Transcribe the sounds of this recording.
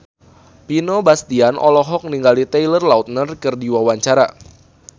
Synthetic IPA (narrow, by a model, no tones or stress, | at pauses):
pinɔbast̪ianʔɔ̰lɔɦɔk̚niŋɡalit̪ɛjlərlaut̪̚nərkɨrdiwawaɲt͡ʃaɾa̰